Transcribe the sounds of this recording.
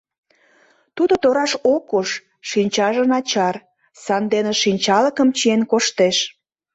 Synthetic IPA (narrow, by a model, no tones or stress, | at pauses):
t̪ud̪ot̪oɾɑʃokuʃ | ʃinʲt͡ɕɑʒənɑt͡ɕɑr | sɑnd̪eneʃinʲt͡ɕɑləkəmt͡ɕienkoʃt̪eʃ